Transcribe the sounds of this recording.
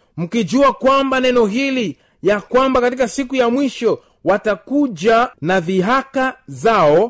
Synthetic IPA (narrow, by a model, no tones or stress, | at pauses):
m̩kid͡ʒuakwambanɛnɔɦili | jakwambakatikasikujamwiʃɔ | watakud͡ʒanaðiɦakazaɔ